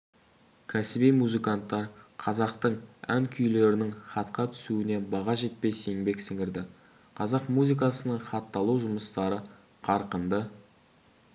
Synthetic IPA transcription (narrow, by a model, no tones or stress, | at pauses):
kʲʰæsɪbijmuzɨkɑnt̪ːɑɾqʰɑzɑqt̪əɴæŋkʲʰʏjle̞ɾɪnɪɴχɑt̪qɑt̪ʰʏ̥suɪne̞bɑʁɑʒe̞t̪̚pe̞seŋbe̞ksɪŋɪɾd̪ɪ | qʰɑzɑqmuzik̬ɑsənəɴχɑt̪ːɑlˠuwʒʊməst̪ɑɾə | qʰɑɾqənd̪ə